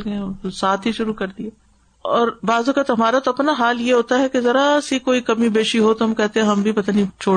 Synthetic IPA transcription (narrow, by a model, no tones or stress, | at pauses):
lɡɐẽsaːt̪ʰɦiʃʊɾukɐɾd̪iɦɛ | ɔːɾbaːzʊkət̪ɦɐmaːɾat̪oɐpnaɦaːljeɦoːt̪aɦɛkezɐɾasikoːikɐmibeːʃiɦot̪oɦɐmkɛɦt̪ẽɦɛ̃ɦɐmbʱipɐt̪aːnit͡ʃʰoː